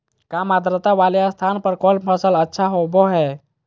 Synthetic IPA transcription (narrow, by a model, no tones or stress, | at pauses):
kamaːd̪ɾət̪aʋaːljast̪ʰaːnpəɾkɔlpʰəsələtːʃʰaɦoboɦɛː